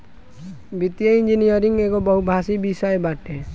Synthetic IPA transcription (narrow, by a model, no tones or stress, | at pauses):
bit̪ijəĩnd͡ʒinijəɾiŋɡeɡobɔɦubʱasibisaebaʈe